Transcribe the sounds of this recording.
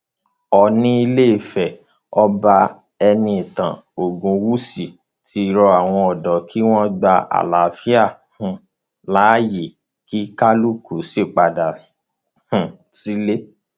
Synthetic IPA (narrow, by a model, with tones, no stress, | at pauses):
ɔ˨nĩ˦i˧le˦i˦˨fɛ˨ | ɔ˦ba˧ | ɛ˧nĩ˧ĩ˨tã̰˨o˨ɡũ˧wu˦si˨ | tʰi˧ɾɔ˧a˨w̃ɔ̃˧ɔ˨dɔ˨kʰi˦w̃ɔ̃˦ɡ͡ba˧a̰˨la˨fi˦a˦˨ | hũ˨ | la˨˦ji˨ | ki˦ka˦lu˦ku˨se˦˨k͡pa˨da˨ | hũ˨ | si˦le˦